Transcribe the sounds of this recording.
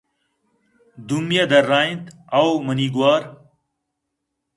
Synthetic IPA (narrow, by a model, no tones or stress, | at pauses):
d̪umjɐd̪ɐɾːaːint̪ɐwmɐniːɡwaːɾ